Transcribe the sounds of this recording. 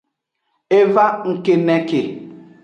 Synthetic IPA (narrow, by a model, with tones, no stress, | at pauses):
e˦va˦ŋ̩˦ke˦nɛ˦ke˨